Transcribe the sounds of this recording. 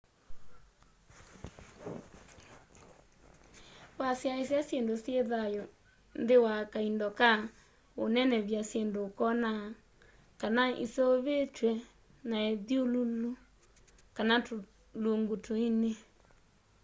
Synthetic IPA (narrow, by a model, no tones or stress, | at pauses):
wasjaesasjendosjeðajo | ndewakaindɔka | onɛnɛβjasjendokɔna | kanaḭsooβet͡ʃwɛ | naeðjolulu | kanat | luŋɡutʰoine